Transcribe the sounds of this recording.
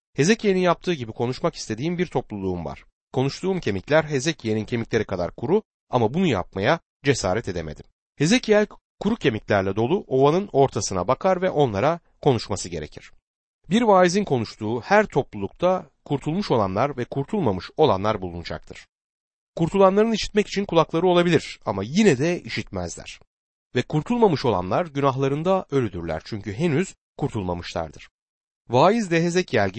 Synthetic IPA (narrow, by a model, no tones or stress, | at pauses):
he̞zecʰije̞ninjap̚t̪ʰɯːɟibikʰo̞nuʃmaki̥st̪ʰe̞d̪iːmbiɾt̪ʰo̞plˠulˠuːumva̰ɾ̥ | kʰo̞nuʃt̪ʰuːmcʰe̞miclʲæɾɦe̞zecʰijenincʰe̞miclʲe̞ɾikʰad̪a̰ɾkʰuɾu | amabunuja̰p̚maja | d͡ʒe̞sa̰ːɾɛt̪ʰe̞d̪eme̞̰d̪im | he̞ze̞cʰijælʲ | kʰuɾucʰe̞miclʲæɾlʲɛd̪o̞lˠuʔo̞vanɯno̞ɾt̪ʰasɯna̰bakʰaɾvɛʔo̞nlˠaɾa | kʰo̞nuʃmasɯɟe̞ɾecʰiɾ̥ | biɾvaːizinkʰo̞nuʃt̪ʰuːhæɾt̪ʰo̞plˠulˠuk̚t̪ʰa | kʰuɾt̪ʰulˠmuʃo̞lˠa̰nlˠaɾvɛkʰuɾt̪ʰulˠmamɯʃo̞lˠa̰nlˠaɾbulˠunud͡ʒa̰k̚t̪ʰɯɾ̥ | kuɾt̪ʰulˠanlˠaɾɯniʃi̥t̪mɛci̥t͡ʃʰinkʰulˠaklˠaɾɯo̞lˠabilʲiɾ̥a̰majinɛd̪ɛiʃit̪mæ̰zlʲæ̰ɾ̥ | vɛkʰuɾt̪ʰulˠmamɯʃo̞lˠa̰nlˠaɾɟynaɦlˠaɾɯnd̪aʔø̞lʲyd̪yɾlʲæ̰ɾt͡ʃʰyɲcyɦenyz̥ | kʰuɾt̪ʰulˠmamɯʃlˠa̰ɾd̪ɯɾ̥ | vaːjizd̪ɛɦezɛcjælʲɟi